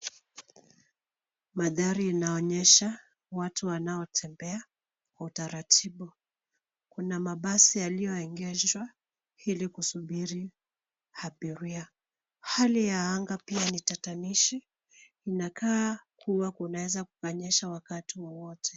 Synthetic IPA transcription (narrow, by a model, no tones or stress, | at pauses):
maðaɾianaɔɲɛʃa | watʰuwanaɔtʰɛmbɛa | kwautaɾatʰiɓu | kunamaɓasijalijɔɛŋɡɛzwa | ilikusuɓiɾi | haɓiɾia | halijaaŋɡapianitatamiʃiː | nakaːkʰuwakunawɛzakukaɲɛʃawakatiwɔwɔtʰɛ